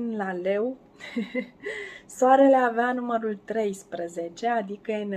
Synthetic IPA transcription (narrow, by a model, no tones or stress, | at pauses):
nlale̞w | soaɾe̞le̞aveanuməɾult̪ɾe̞jspɾəze̞t͡ʃe̞ad̪ikəen